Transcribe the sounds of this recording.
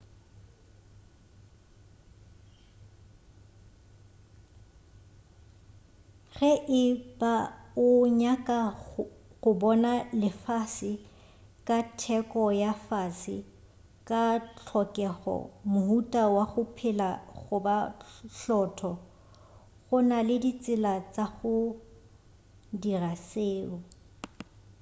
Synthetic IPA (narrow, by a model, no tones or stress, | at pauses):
ɣɛʔɪbaʊɲakʼa | ɣʊbɔnalɪfasɪ | kʼatʰɛkʼɔjafasɪ | kʼat͡ɬʰɔkʼɛɣɔ̰mʊhutʼawaχʊpʰɪlaɣʊbaɬɔtʰɔ | ɣʊnalɪdit͡sʼɪlat͡sʼaɣʊ | diraseːʊ